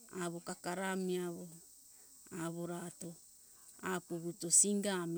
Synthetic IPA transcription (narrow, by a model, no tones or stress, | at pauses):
aβokakaɾamiaβo | aβo̞ɾato̞ | apuβuto̞siŋɡam